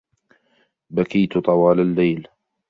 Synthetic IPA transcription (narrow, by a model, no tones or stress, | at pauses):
bakajt̪t̪ˤɑwɑːlalːajl